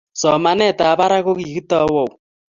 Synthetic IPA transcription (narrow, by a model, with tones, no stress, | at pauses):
sɔ˨ma˦nɛ˦˨ta˨βa˦ɾa˦ɣo˦ɣi˨ɣi˦ta˦wɔ˨w